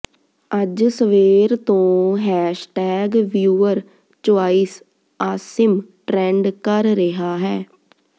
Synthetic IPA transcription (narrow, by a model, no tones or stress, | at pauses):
əd͡ʒsəʋeːɾt̪õːɦɛːʃʈɛːɡʋjuːəɾ | t͡ʃoaːiːs | aːsɪmʈɾɛ̃ːɳɖkəɾɾɪɦaːɦɛː